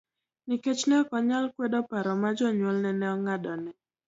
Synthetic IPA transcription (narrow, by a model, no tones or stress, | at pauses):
niket͡ʃnɛɔkɔɲalkwɛdɔpaɾɔmad͡ʒɔɲwɔlnɛnɛɔŋadɔnɛ